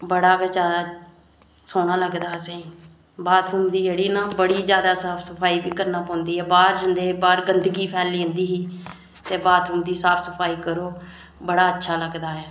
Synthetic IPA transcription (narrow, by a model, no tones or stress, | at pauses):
bəɽaːbɛːd͡ʒaːd̪aː | soːnaːləɡd̪aːsẽːiː | baːt̪ɾuːmd̪iːd͡ʒeːɽiːnãːbəɽiːd͡ʒjaːd̪aːsaːpʰsəpʰaːiːbiːkəɾnaːpɔ̃ːnd̪iːɦɛːbaːɾd͡ʒənd̪eːbaːɾɡənd̪ɡiːpʰɛːlĩnd̪iːɦiː | t̪eːbaːt̪ɾuːmd̪iːsaːpʰsəpʰaːiːkəɾoː | bəɽaːətːʃʰaːləɡd̪aːɦɛː